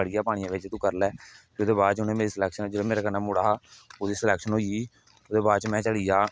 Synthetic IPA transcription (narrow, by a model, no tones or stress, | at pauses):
əɽijaːpaːɽ̃ɪjãːʋɪt͡ʃt̪ũːkəɾlɛːt̪eʊd̪eːbaːd̪t͡ʃʊnẽːmeːɾiːslɛːkʃənoːd͡ʒeɽeːmeːɾaːkənãːmʊɽaːɦaːoːd̪iːsəlɛːkʃənɦoːiiː | oːd̪eːbaːd̪t͡ʃmɛ̃ːt͡ʃəɽiːjaː